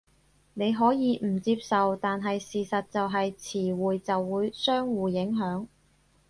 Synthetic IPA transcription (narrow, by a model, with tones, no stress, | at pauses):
ne˨˧jɦɔː˨˥jiː˨˧m̩˨˩t͡siː˧p̚sɐ˨wt̪aː˨nɦɐ˨jsiː˨sɐ˨t̚t͡sɐ˨wɦɐ˨jt͡sʰiː˨˩wuː˨jt͡sɐ˨wːuː˨˧jsœː˥ŋwuː˨˩jɪ˨˥ŋɦœː˨˥ŋ